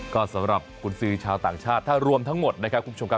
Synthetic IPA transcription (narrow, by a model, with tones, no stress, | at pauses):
kɔː˥˩sa˩˨˦mɾa˨˩p̚kʰu˧˥nsɯː˦˥t͡ɕʰaː˧wt̪a̰ː˨˩ŋt͡ɕʰaː˥˩t̪ʰːaː˥˩ɾu˧əmt̪ʰa˦˥ŋmo˨˩t̪̚na˦˥kʰɾp̚ʰːu˧˦˥o˧kʰ